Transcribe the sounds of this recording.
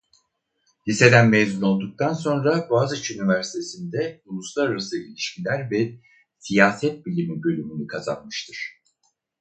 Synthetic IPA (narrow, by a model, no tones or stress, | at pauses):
lʲise̞d̪ænmezuno̞lˠd̪uk̚t̪ʰanso̞nɾabaːzt͡ʃynivæɾsi̥t̪ʰe̞sind̪ɛulˠuslˠaɾaɾasɯḭlʲiʃmilʲæɾvɛ | sijaːsɛt̪̚bilʲimibø̞lʲymynykʰaza̰nmɯʃt̪ʰɯɾ̥